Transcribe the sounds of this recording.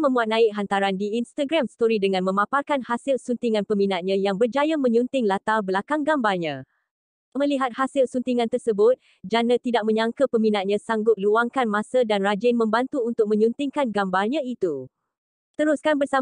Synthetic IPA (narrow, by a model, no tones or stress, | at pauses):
mə̃mbuat̪̚nãɪk̚ɦant̪aɾandiinst̪aɡɾamsə̥t̪oɾidəŋãnmə̃maparkanhasɪlsunt̪iŋãnpəminat̪̚ɲãjaŋbərd͡ʒajamə̃ɲunt̪ɪŋlat̪abəlakaŋɡambalɲã | mə̃liɦat̪̚hasɪlsunt̪iŋãnt̪ərsəbʊt̪̚ | d͡ʒanãt̪idak̚mə̃ɲaŋkəpəminat̪̚ɲãsaŋɡʊt̪̚luaŋkanmãsədanrad͡ʒɪnmə̃mbant̪uunt̪ʊk̚mə̃ɲunt̪ɪŋkanɡambalɲãit̪u | t̪əɾuskanbərsa